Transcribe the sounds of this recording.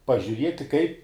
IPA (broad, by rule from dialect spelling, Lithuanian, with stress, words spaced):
pɐʒʲʊˈrʲiɛtʲɪ kɐɪ